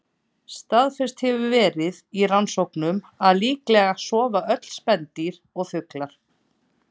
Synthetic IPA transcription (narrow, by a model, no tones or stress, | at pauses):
st̪aðfɪr̥st̪hɛvʏvɛːɾɪðiransowknʏm | aðliːklɛɣasɔːvaʔœt̪l̥spɛnt̪iɾ | ɔɣθʏklaɾ̥